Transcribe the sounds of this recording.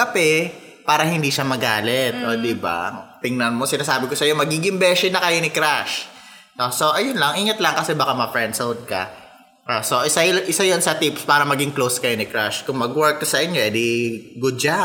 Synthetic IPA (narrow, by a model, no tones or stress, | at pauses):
kɐpɛ | paːɾɐhɪnd̪iʃamɐɡaːlɛt̪̚ʔod̪iba̰t̪ɪŋnɐnmo̞sɪnaːsaːbɪkosɐjomɐɡiːɡɪŋbɛːʃɛnɐkɐjonɪkɾaʃ | ʔoso̞ʔɐjʊnlɐŋʔiːŋɐt̪lɐŋkɐsɛbaːkamɐfɹɛnd̪sowd̪̚kɐ̰ | ʔoso̞ʔɪsajʔɪsajonsɐt̪ipspaːɾɐmɐɡɪŋklowskɐjonɪkɾaʃkʊŋmɐɡwɛɹk̚t̪ʊsɐʔɪɲɲoɛd̪iɡʊd̪̚d͡ʒa